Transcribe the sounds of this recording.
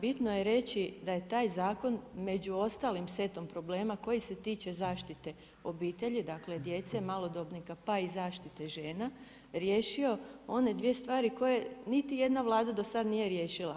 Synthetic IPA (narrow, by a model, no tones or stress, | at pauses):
bit̪noje̞ɾe̞t͡ɕid̪aje̞t̪aːjzaːko̞nme̞d͡ʑuo̞st̪aːlimse̞t̪o̞mpɾo̞ble̞ːmako̞jise̞t̪iːt͡ʃe̞zaːʃt̪it̪e̞ | o̞biːt̪e̞ʎid̪akle̞d̪je̞t̪semalˠo̞d̪o̞bnikapaizaːʃt̪it̪e̞ʒe̞ːna | ɾjeːʃio̞o̞ne̞d̪ʋije̞st̪ʋaːɾiko̞jenit̪ije̞d̪naʋlˠaːd̪ad̪o̞sad̪nije̞ɾje̞ːʃila